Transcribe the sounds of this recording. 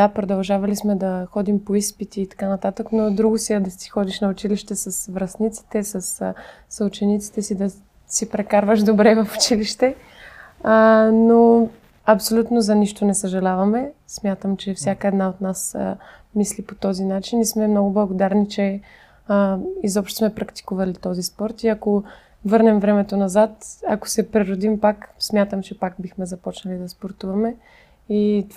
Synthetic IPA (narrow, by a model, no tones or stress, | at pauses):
d̪apɾod̪ɐlˠʒavɐlismɛd̪ɐxɔd̪impoispit̪iːt̪ɐ̥kanɐt̪at̪əknod̪ɾuɡʊsiɛd̪ɐsi̥xɔd̪iʃnɐʊt͡ʃiliʃt̪ɛsɐsvɾɐst̪nit̪si̥t̪ɛsəs | sut͡ʃɛnit̪si̥t̪ɛsid̪ɐ | sipɾɛkaɾvəʃd̪obɾɛvɐfu̥t͡ʃiliʃt̪ɛ | no | ɐpsolʲut̪nozɐniʃt̪onɛsəʒɐlʲavɐmɛsmʲjat̪əmt͡ʃɛfsʲjakəɛd̪naot̪nas | mislipot̪ɔzinat͡ʃinismɛmnɔɡʊblˠɐɡod̪aɾnit͡ʃɛ | izɔpʃt̪o̥smɛpɾɐkt̪i̥kuvɐlit̪ɔzispɔɾt̪iɐko | vɤɾnɛmvɾɛmɛt̪onɐzat̪ɐ̰ko̥sɛpɾiɾod̪impaksmʲjat̪əmt͡ʃɛpak̚bixmɛzɐpɔt͡ʃnɐlid̪ɐspoɾt̪uvɐmɛ | it̪